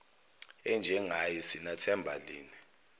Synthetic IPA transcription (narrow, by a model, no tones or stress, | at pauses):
ɛnd͡ʒʱɛŋajisinatʰɛmbʱa̰liːni